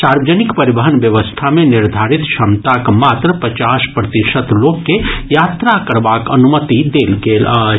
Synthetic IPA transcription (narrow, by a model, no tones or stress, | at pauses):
saːɾʋəd͡ʒənɪkpəɾibəɦənʋjəʋəst̪ʰamẽnɪɾd̪ʱaːɾit̪ʃəmt̪akmaːt̪ɾəpɾət͡ʃaːʃpɾət̪iʃət̪loːkːejaːt̪ɾakəɾbaːkənumət̪id̪eːlɡeːla